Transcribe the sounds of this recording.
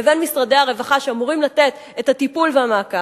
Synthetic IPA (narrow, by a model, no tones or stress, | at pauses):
evenmisʁadejaʁe̞vaχaʃeamuʁimlate̞t̪ | ethatipulveamaːka